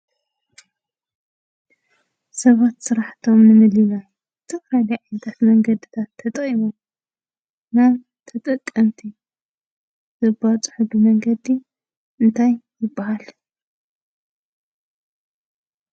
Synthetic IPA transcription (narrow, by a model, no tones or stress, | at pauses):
sɐβat̪sɨɾaħt̪ʰo̞mnɨmɨlina | t̪ʰɨfɾajliʕajnd̪ʰat̪mɐŋɡɐd̪it̪ʰat̪ʰːɐt̪ʼɐimo | naβ | t̪ʰɐt̪ʼɐkʼːɐmt̪ʰi | zɨbat͡sʼɨ̥ħubɨmɐŋɡɐd̪i | ʔɨnt̪ʰajːɪbːahal